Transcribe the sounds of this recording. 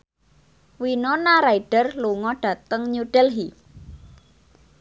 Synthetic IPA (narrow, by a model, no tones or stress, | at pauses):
winonaɾaiɖ̥ə̤rluŋɔɖ̥ä̤t̪əŋɲuɖ̥ɛlɦi